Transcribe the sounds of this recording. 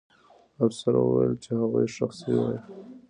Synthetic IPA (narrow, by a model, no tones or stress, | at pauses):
afsaɾa̰wuwajlt͡ʃehaɣujʃaxsiwai